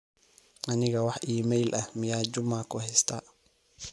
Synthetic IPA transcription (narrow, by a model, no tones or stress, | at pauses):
ʔɐnɪɣɐwɑħʔiːmɛjlʔɐhmɪjaːd͡ʒʊmaːkʰʊhɛjst̪ʰaː